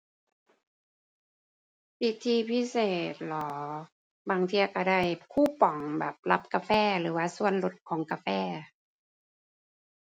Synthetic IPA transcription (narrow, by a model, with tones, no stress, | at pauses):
ʔi˧t̪ʰiː˧pʰi˦˥seː˨˩t̪̚lɔː˩˦ | baː˧ŋt̪ʰiː˧a˧˩ka˧˩da˥˩jkʰuː˥˩pɔ˨˩˦ŋbɛː˨˩p̚la˧˦˥p̚kaː˧fɛː˥˩lɯː˩˦waː˧˥˩su˧˨ənlo˧˦t̪̚kʰɔː˨˦ŋkaː˧fɛː˥˩